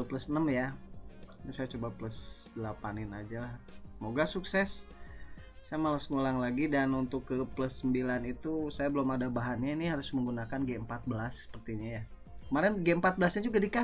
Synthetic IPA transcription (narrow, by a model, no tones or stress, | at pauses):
pləsənəmja | t̪usajat͡ʃobapləsdəlapanɪnad͡ʒalahsəmoɡasuksɛs | sajamalasŋulaŋlaɡidanunt̪ʊkːəpləsːəmbilanit̪usajabəlomadabaɦanɲainiɦaɾʊsməŋɡunakanɡeəmpat̪̚bəlasːə̥pərt̪iɲaja | kəmaɾɛnɡeəmpat̪̚bəlasɲad͡ʒuɡadika